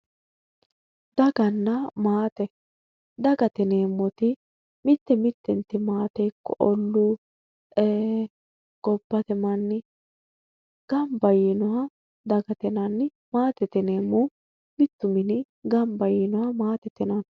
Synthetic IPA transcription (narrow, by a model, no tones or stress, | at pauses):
d̪ɐɡɐnːɐmaːt̪ɛ | d̪ɐɡɐt̪ɛneːmːɔt̪ɪ | mɪt̪ːɛmɪt̪ːɛnt̪ːɪmaːt̪ɛjkːɔʔɔlːu | ɛ | ɡ̥ɔbːɐt̪ɛmɐnːɪ | ɡ̥ɐmbɐjinɔɐ | d̪ɐɡɐt̪ɛnɐnː | maːt̪ɛt̪ɛneːmːʊ | mɪt̪ːʊmɪnɪ | ɡɐmbɐjinɔwɐmaːt̪ɛt̪ːɛnɐn